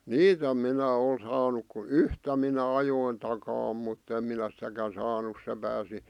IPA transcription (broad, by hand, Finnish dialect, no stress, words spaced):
niːt om minæ ol sɑːnuk ku yhtæ minæ ɑjoin tɑkɑː mutː em minæ sĭtækæn sɑːnu se pæːsi